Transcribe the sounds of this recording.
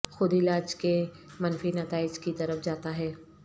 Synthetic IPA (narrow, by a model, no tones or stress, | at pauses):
xʊd̪ɪlaːd͡ʒke | mɐnfinɐt̪aːɪd͡ʒkit̪ɐɾəfd͡ʒaːt̪aɦɛː